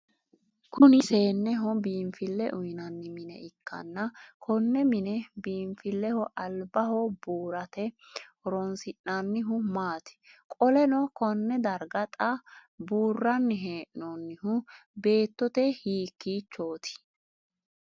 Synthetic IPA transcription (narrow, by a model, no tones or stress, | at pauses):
kʰʊnɪse̞ːnːɛɦɔbiːɱfɪlːɛʔʊjnɐnːɪmɪnɛ̰ʔɪkːɐ̰nːɐkʰɔnːɛmɪnɛbiːɱfɪlːɛhɔʔɐlbɐhɔbuːɾɐt̪ɛhɔɾɔnsɪʔːɐnːɪɦʊmaːt̪ɪ̥kʼɔlɛnɔkɔnːɛd̪ɐɾɡɐt̪ʼɐbuːrːɐnːɪɦeːʔnɔnːɪhʊbe̞ːt̪ːɔt̪ɛhiːkːiːt͡ʃːoːt̪ɪ̥